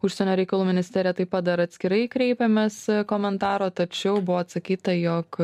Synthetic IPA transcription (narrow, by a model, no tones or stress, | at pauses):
ʊʃʲsʲɛnʲoːɾʲɛɪkɐlˠuːmʲɪnʲɪsʲt̪ʲæɾʲijɛt̪ɐɪpɐt̪̚d̪ɐɾɐt̪ʲsʲkʲɪɾɐɪkɾʲɛɪpʲemʲeːskoːmʲɛnt̪ɑːɾoːt̪ɐt͡ʃʲɛʊbʊʋoːɐt̪sɐkʲiːt̪ɐjɔk